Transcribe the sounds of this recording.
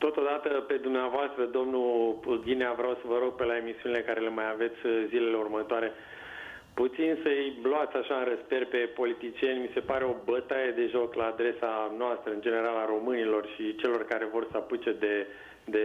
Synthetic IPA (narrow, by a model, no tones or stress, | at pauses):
t̪o̞t̪o̞d̪at̪əpe̞d̪umneavoast̪ɾəd̪o̞mnupulɡ̪ʲineavɾeawsəvəɾo̞ɡ̚pe̞lae̞misiunile̞kaɾe̞le̞majave̞t̪sʲzile̞le̞urmət̪oaɾe̞ | put̪sinsəjbloat̪sʲaʃaɨnrəsperpe̞po̞lit̪it͡ʃie̞nʲmise̞paɾe̞o̞bət̪ajed̪e̞ʒo̞klaːd̪ɾe̞sanoast̪ɾəɨnd͡ʒe̞ne̞ɾalaɾo̞mɨnilo̞rʃit͡ʃe̞lo̞rkaɾe̞vo̞rsaput͡ʃed̪e̞ | d̪e